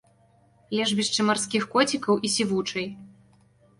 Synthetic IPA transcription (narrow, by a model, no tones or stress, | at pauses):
lʲɛʐbʲiʂt͡ʂɨmarskʲixkɔt͡sʲikɐwʔisʲivut͡ʂɐj